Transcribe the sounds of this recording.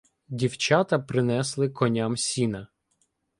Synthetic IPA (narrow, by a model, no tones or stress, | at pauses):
dʲiwt͡ʃɑt̪ɐpɾɪnɛslˠɪkɔnʲamsʲinɐ